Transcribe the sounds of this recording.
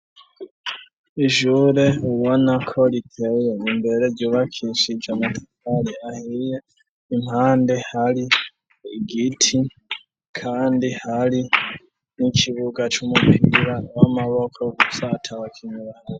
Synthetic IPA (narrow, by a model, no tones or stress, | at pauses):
iʒuɾe̞uwonakʰo̞litʰe̞je̞nimbe̞ɾe̞ɟoːβakʰiʃid͡ʒamati̥kaliahije | imhaːnde̞hali | ɡitʰi | kʰaːndihali | nicʰiβuɡat͡ʃumupʰiɾawamaβo̞kʰo̞satʰawakʰiɲuβaɾaɾ